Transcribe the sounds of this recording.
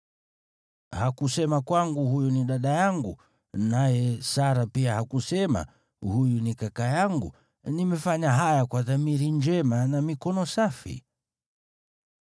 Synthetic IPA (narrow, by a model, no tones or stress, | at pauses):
hakusɛmakwaŋɡuhujuniɗaɗajaŋɡu | najɛsaɾapiahakusɛma̰ | hujunikakajaŋɡṵ | nimɛfaɲaɦajakwaðamiɾiɲd͡ʒɛmanamikɔnɔsafḭ